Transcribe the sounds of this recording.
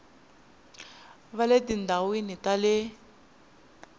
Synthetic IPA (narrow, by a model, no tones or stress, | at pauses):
βaledindawinitalɪ